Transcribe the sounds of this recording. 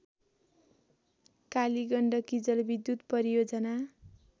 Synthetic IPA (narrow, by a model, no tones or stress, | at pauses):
kaliɡʌɳɖʌkid͡zʌlbid̪ːjut̪pʌɾijod͡zʌna